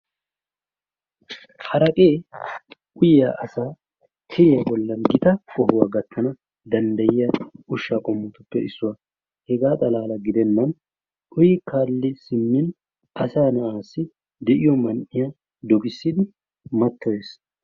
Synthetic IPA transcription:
hɐɾɐkʼeː | ʔʊjaʔɐsaː | t̪ʰɪɾɪjɐbɔlːɐnɡɪt̪ɐkɔɦʊwaːɡɐt̪ːɐnɐ | d̪ɐnd̪ɐjɪjɐʊʃːaːkʼɔmːʊt̪ʊpːɛɪ̰sːʊwa | hɛɡaːt̪ʼɐlaːlɐɡɪd̪ɛnːɐn | ʔʊjɪkʰaːlːɪsɪmːɪn | ʔɐsaːnɐʔaːsːɪ | d̪ɛʔɪjɔmɐnʔɪja | d̪ɔkʼɪsːɪd̪ɪ | mɐt̪ːɔjeːs

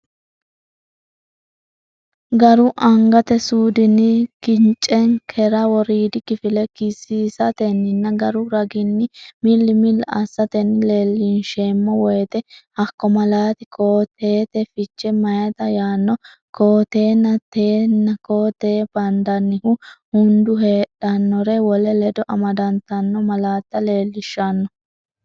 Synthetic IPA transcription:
ɡɐɾʊʔɐŋɡɐt̪ɛsuːd̪ɪnɪkɪnt͡ʃʼːɛŋkʰɛɾɐwɔɾiːd̪ɪkɪfɪlɛkɪsːiːsɐt̪ɛnːɪnːɐɡɐɾʊɾɐɡɪnːɪmɪlːɪmɪlːɐ̰sːɐt̪ɛnːɪleːlːinʃeːmːɔwɔjt̪ɛhɐkːɔmɐlaːt̪ɪkʰoːt̪ʰːeːt̪ɛfɪt͡ʃːɛmɐjɐt̪ɐjaːnːɔ | koːt̪eːnːɐt̪eːnːɐkoːt̪eːb̥ɐnd̪ɐnːɪhʊhʊnd̪ʊɦeːᶑɐnːɔɾɛwɔlɛlɛd̪ɔʔɐmɐd̪ɐnt̪ɐnːɔmɐlaːt̪ːɐle̞ːlːɪʃːɐnːɔ

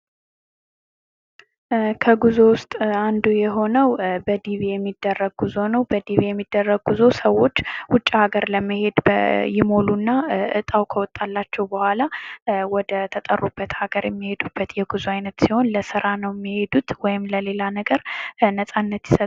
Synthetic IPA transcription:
kʰəɡuzo̞wʊst̪ʼand̪ujɛɦo̞nəwbəd̪iβijɛmːid̪ːərːəɡɡuzo̞nəwbəd̪iβijɛmːid̪ːərːəɡɡuzo̞səwːo̞t͡ʃːwʊt͡ʃʼːihaɡəɾləmːəhe̞d̪bjɪmo̞lunːaʔɨt̪ʼawkʰəwɔt̪ʼːalːat͡ʃːɛwbəhʷalawɔd̪ət̪ʰət̪ʼə̰rːubːət̪haɡəɾjɛmːihe̞d̪ub̥ːət̪jɛɡuzuajnət̪siho̞nləsɨɾʔanəwjɛmːihe̞d̪ut̪wɔjɪmləle̞lanəɡəɾnəsʼanːət̪jɪsə

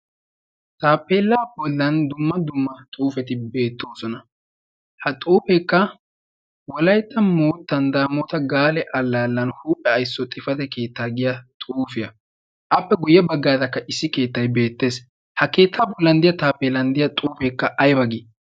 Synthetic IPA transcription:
t̪aːpːeːlːaːbɔlːɐnd̪ʊmːɐd̪ʊmːɐt̪ʼuːfɛt̪ɪbe̞ːt̪ːo̞ːsɔnɐ | hɐt̪ʼuːfɛkːɐ | wɔlɐjt̪ːɐmoːt̪ːɐnd̪aːmot̪ɐɡaːlɛʔɐlːaːlːɐnhuːpʼːɛɐjsːɔt̪ʼɪfɐt̪ɛke̞ːt̪ːaːɡɪjɐt̪ʼuːfɪjɐ | ʔɐpːɛɡʊjːɐbɐɡːaːd̪ɐkːɐʔɪsːɪke̞ːt̪ːɐjbe̞ːt̪ːe̞ːs | hɐke̞ːt̪ʰːaːbɔlːɐnd̪ɪjɐt̪aːpːeːlɐnd̪ɪjɐt̪ʼuːfɛkːɐʔɐjbɐɡɪ

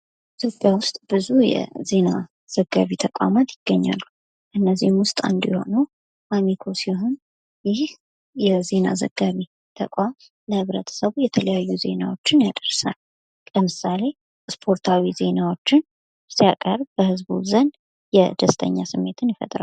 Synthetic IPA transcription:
it̪ʰjopʼjawʊst̪ʼb̥ɨzujɛ̰ze̞na | z̥əɡːaβit̪ʰəkʼwa̰mat̪jɪɡ̥ːəɲːa̰lːu | ʔɨnːəzihmwʊst̪ʼa̰nd̪jɛho̞̰nəw | ʔamikʰo̞sihon | jɪh | jɛze̞na̰zə̰ɡ̥ːaβi | t̪ʰəkʼwam | ləhɨβɾət̪ʰə̥səβujɛt̪ʰələjajːuze̞nawo̞t͡ʃːɪnjad̪əɾsal | ləmɨsale̞ | spʰo̞ɾt̪ʰawize̞nawo̞t͡ʃːɪn | siakʼəɾbəhɨzbṵzən | jɛd̪əst̪ʰʼə̰ɲːasɨmːe̞t̪ʰɨnjɪfə̰t̪ʼɾa̰

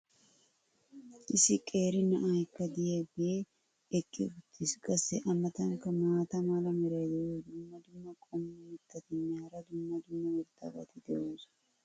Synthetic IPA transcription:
ʔɪsɪkʼe̞ːɾɪnɐʔaːɛkːɐd̪ɪjeːbeː | ɛkʼːɪʊt̪ʰːɪskʼɐsɛʔɐmɐt̪ɐŋkɐmaːt̪ɐmalɐmɪɾɐjd̪ɛʔoːd̪ʊmːɐd̪ʊmːɐkʼɔmːɪmɪt̪ːɐt̪ɪnːaːɾɐd̪ʊmːɐd̪ʊmːɐmɪɾt̪ʰɐ̰bɐ̰t̪ɪd̪ɛʔuːs

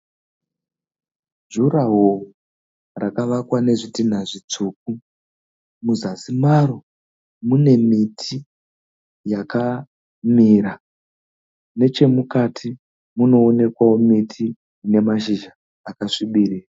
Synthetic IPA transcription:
ʒuraɦou | rakaʋakwane̞ʐitin̤aʐit͡suːk̚u | muzasimaɾo | mune̞mitʰi | jaka | miɾa | ne̞t͡ʃe̞mukatʰi | muno̞ːne̞kwawomitʰiː | ne̞maʃ̬iʒaː | kaʂiɓiriːra

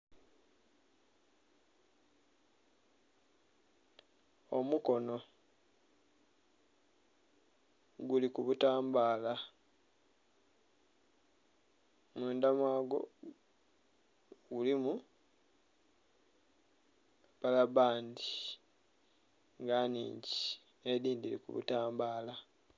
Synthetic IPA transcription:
omuko̞no̞ | ɡulikuβutaːmbaːla | muːndamwaːɡo̞̰ | ɡulimu | βalaβaːndi | ŋɡaːnḭːɲɟi̥ | eðiːndilikṵβṵtaːmbaːla

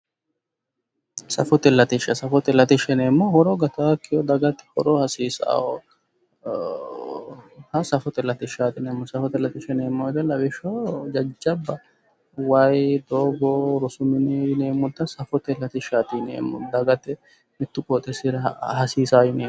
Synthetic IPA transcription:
sɐfɔt̪ɛlːɐt̪ɪʃːɐsɐfɔt̪ɛlːɐt̪ɪʃɛneːmːohɔɾoɡɐt̪aːkːɪjɔd̪ɐɡɐt̪ːɪ̥kɔ̰ɾɔhɐsiːsa̰ːwɔ | hɐsɐfɔt̪ɛlːɐt̪ɪʃaːt̪ɪneːmːɔsɐfɔt̪ɛlːɐt̪ɪʃɛneːmːɔɪd̪ɐlɐbɪʃod͡ʒɐd͡ʒːɐbːɐ | wajd̪oːɡoɾʊsʊmɪnɪneːmːʊd̪ːɐsɐfɔt̪ɛlːɐt̪ɪʃaːt̪ɪnḛːmːɔ̰d̪ɐɡɐt̪ːɛ | mɪt̪ːʊkʼɔt̪ʼɛsɪhɐsiːsaːjɪneː

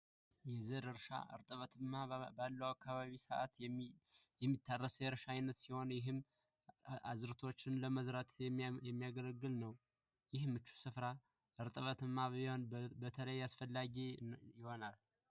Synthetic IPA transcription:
jɛzəɾɨɾʃa̰ɨ̰ɾt̪ʼəβət̪ʰɨmːabalːəwakːaβaβisəʔa̰t̪ | jɛmːit̪ʰːarːəsjɛɾʃaajnːət̪siho̞njɪɦɨm | ʔazɨɾt̪ʰo̞t͡ʃːɪnləməzɾat̪ʰjɛmːijaɡələɡːɨlnəw | jɪhmːɨt͡ʃːu̥sɨfɾa | ʔɨɾt̪ʼəβət̪ɨmːaβhonbət̪ʰələjasfəlːaɡijɪho̞nal

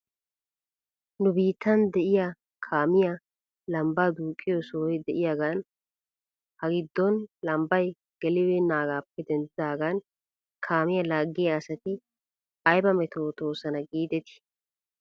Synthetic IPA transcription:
nʊbiːt̪ːɐnd̪ɛʔɪja | kʰaːmɪjɐ | lɐmbaːd̪uːkʼːɪjɔsoːɛjd̪ɛʔɪjaɡan | hɐɡɪd̪ːɔnlɐmbɐj | ɡ̥ɛlɪweːnaːɡaːpːɛd̪ɛnzzaːɡaːn | kʰaːmɪjɐlaːɡːɪjɐːsɐt̪ɪ | ʔɐjbɐmɛt̪oːt̪o̞ːsɐnɐɡiːd̪ɛt̪ɪ̥

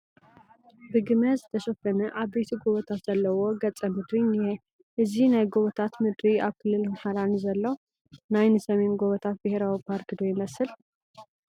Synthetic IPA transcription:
bɨɡɨmɐzɨt̪ʰɐʃɐfɐnɐʔaβbejt̪ʰiɡoβɐt̪ʰat̪z̥ɐlːɐwoɡɐt͡sʼːɐmɨd̪ɾinijɛ | ʔɨzinajɡoβɐt̪ʰat̪mɨd̪ɾiaβkʰɨlːɨlamħaɾanizɐlːow | najnɨsɐmemɡoβɐt̪ʰat̪̚bɨhɾawipʰaɾkɨd̪ojɪmɐsɨl

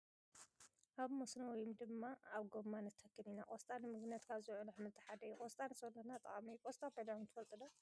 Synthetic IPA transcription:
ʔaβmosnɐwɔjumd̪ɨmːaaβɡomːanɐt̪ʰɐkʰːɨmina̰ʔʼost̪ʼanɨmɨɡnɐt̪kʰazɨʕunɨħmɨzt̪ʰɨħad̪ɐjukʼost̪ʼanɨsonɐnat̪ʼɐ̰χʼamijukʼost̪ʼabed̪ant̪ʰɨfɐlt̪ʼɨd̪o

